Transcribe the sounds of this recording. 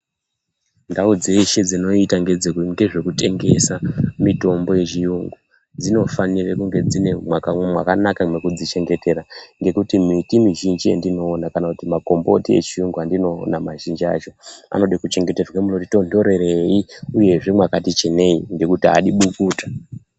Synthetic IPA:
ndaud͡ze̞ʃe̞d͡zino̞itaŋɡed͡zeŋɡe̞ʐe̞kute̞ŋɡe̞samito̞mbo̞je̞t͡ʃijuŋɡu | d͡zino̞fanirekuŋɡe̞d͡zine̞mwakamwa̰kanakamwekud͡zit͡ʃe̞ŋɡe̞te̞ɾaŋɡe̞kutimitimiʒind͡ʒijḛndino̞ːnakanakutimako̞mbo̞tie̞̰t͡ʃiuŋɡuandino̞namaʒind͡ʒia̰t͡ʃo̞a̰no̞ɗikut͡ʃe̞ŋɡe̞terwamunotito̞ndo̞ɾe̞ɾeiuje̞ʐe̞mwakatit͡ʃe̞ne̞iŋɡe̞kutia̰ɗiɓukuːtḁ

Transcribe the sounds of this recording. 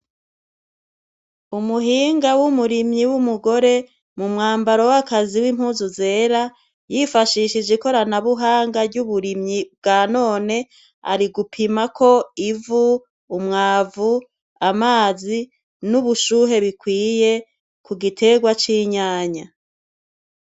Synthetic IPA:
umuɦiːŋɡawumuɾimɲiwumuɡo̞ɾe̞ | mumŋaːmbaɾo̞wakaziwiːm̥huːzuze̞ːɾa | jifaʃiʃid͡ʒeko̞ɾanaβuɦaːŋɡaɾɟuβuɾimɲib̚ɡaːno̞ːne̞ | a̰ɾiɡupʰimakʰo̞ivuː | mŋaːvu | amaːzi | nuβuʃuːɦe̞βikwiːje̞ | kuɡitʰe̞ɡwat͡ʃiɲaːɲa

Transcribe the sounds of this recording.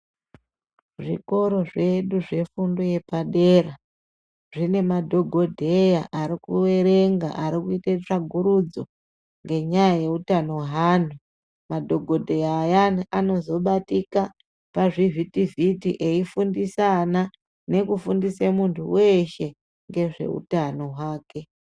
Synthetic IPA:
ʐḭko̞ɾo̞ʐe̞ɗuʐe̞fundoje̞paɗeːra | ʐine̞madʱo̞ɡʱo̞dʱe̞jaʔaɾikuwe̞ɾe̞ŋɡa̰ʔaɾikuitet͡ʂaɡʱuɾud͡zo̞ | ŋɡe̞ɲajaje̞utano̞ɦaːn̤u | madʱo̞ɡʱo̞dʱejajanano̞zo̞ɓatika | paʐivitivitiʔe̞ifundisana | ne̞kufundisemuntʰṵwe̞ʃe̞ | ŋɡe̞ʐe̞̰ṵtano̞ɦwaːke̞

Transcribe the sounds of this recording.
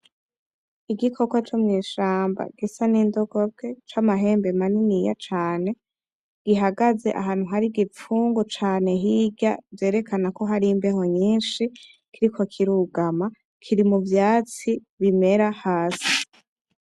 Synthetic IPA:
iɡikʰo̞kwat͡ʃomɲiːʃaːmba̰ɡisanindoɡobɡe̞t͡ʃamaɦe̞ːmbe̞maninija̰t͡ʃaːne̞ | ɡ̥iɦaɡazeʔa̰ɦaːn̥uɦaɾiɡifuːŋɡot͡ʃaːne̞ɦiɟa̰vje̞ːɾe̞kʰanako̞ɦaɾimbe̞ɦo̞ɲiːnʃi | kiɾikʰo̞kʰiɾuɡama | kʰiɾimuvjaːt͡si | βime̞ɾahaːsi̥

